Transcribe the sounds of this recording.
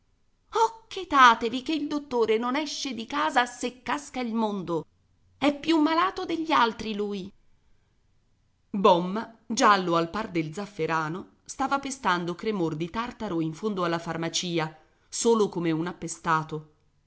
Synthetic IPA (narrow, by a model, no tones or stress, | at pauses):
ɔkːet̪aːt̪evikeild̪ot̪ːoːɾenonɛʃːed̪ikaːzasekːaskailmond̪o | ɛpːjumːalaːt̪od̪eʎːialt̪ɾiluːj | bɔmːad͡ʒalːoalpard̪eld̪zafːeɾʔaːno | st̪aːvapest̪and̪okɾemord̪it̪art̪aɾoiɱfond̪oalːafarmat͡ʃiːa | soːlokomeunapːest̪aːt̪o